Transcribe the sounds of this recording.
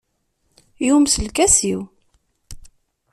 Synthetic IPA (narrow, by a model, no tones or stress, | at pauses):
jumsəlkæsiw